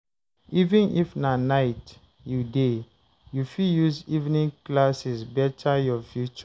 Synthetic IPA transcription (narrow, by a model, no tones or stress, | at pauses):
ivĩnifnanaɪt | jude | jufijuzivnĩŋklasisbɛtʰajɔfjut͡ʃɔ